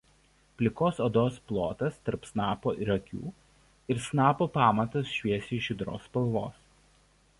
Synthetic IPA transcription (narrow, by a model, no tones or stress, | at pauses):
pʲlʲɪkoːsoːd̪oːsplˠoːt̪ɐst̪ɐɾpsnɑːpoːʔɪɾɐkʲṵː | ɪɾsnɑːpoːpɑːmɐt̪ɐsʃʲʋʲiɛsʲiʃʲɪd̪ɾo̰ːspɐlˠʋoːs